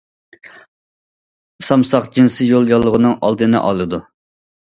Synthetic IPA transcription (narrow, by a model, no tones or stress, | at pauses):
sɑmsɑqd͡ʒinsɨjolˠjɑlˠːəʁənɨŋʔɑ̰lˠd̪ɨnɨ̰ʔɑ̰lˠɨd̪u